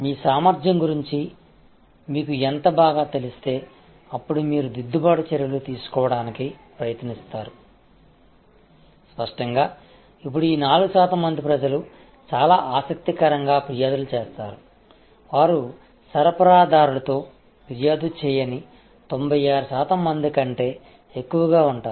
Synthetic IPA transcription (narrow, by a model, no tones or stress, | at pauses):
miːsaːmɐɾd͡ʒɐŋɡuɾiɲt͡ʃi | miːkuent̪ɐbaːɡaːt̪e̞lust̪e̞ː | ɐpːuɽumiːɾud̪id̪ːubaːɽut͡ʃɛɾjɐlut̪iːsu̥kɔːʋɐɽaːnikipɾɐjɐt̪nist̪aːɾu | spɐʂʈɐŋɡaː | ip̬ːuɽuiːnaːluɡusaːt̪ɐmːɐnd̪ipɾɐd͡ʒɐlu | t͡ʃaːlaːʔaːsɐk̚t̪ikɐɾɐŋɡaːpɾijaːd̪ulut͡ʃeːst̪a̰ːɾu | ʋaːɾu | sɐɾɐpɐɾaːd̪aːɾuɽɐt̪o̞ː | piɾjaːd̪ut͡ʃɛːjɐni | t̪o̞mbʱɐjaːɾusaːt̪ɐmːɐnd̪ikɐɳʈe̞ː | ekːuʋɐɡaːuɳʈaː